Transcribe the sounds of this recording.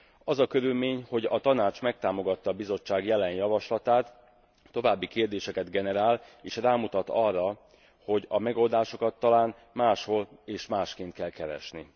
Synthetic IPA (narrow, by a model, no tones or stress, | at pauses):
ɒzɒkø̞ɾylmeːɲho̞ɟɒt̪ɒnaːt͡ʃmɛk̚t̪aːmo̞ɡɒt̪ːɒːbizo̞t͡ʃːaːɡjɛlɛnjɒvɒʃlɒt̪aːt̪ː | o̞vaːbːikeːrd̪eːʃɛkɛd̪ɡɛnɛɾaːleːʃraːmut̪ɒt̪ɒrːɒ | ho̞ɟɒmɛɡo̞ld̪aːʃo̞kɒt̪ːɒlaːn | maːʃho̞leːʃmaːʃkeːnt̪̚kɛlkɛɾɛ̰ʃni